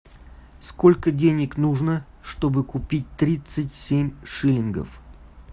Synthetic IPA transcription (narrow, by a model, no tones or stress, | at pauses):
skolʲkədʲenʲɪknuʐnə | ʂt̪o̞bɨkʊpʲit̚ʲt̪ɾʲit̪sɨtʲsʲemʲʂɨlʲɪnɡə̰f